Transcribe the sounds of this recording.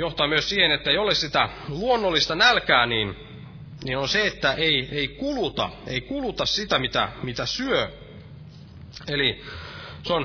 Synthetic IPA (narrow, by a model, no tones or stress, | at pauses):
joht̪ɑːmyøssiːhenet̪ːæeijolessit̪æluonːolːist̪ɑnælkæːniːn | ninonseet̪ːæʔeieikulut̪ɑ̰eikulut̪ɑssit̪æmit̪æ̰mit̪æsyø | eli | son